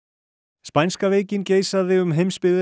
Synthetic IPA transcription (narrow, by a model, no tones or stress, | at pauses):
spajnskaveːjcɪnceːjsaðɪʏmɦejmspɪðɪ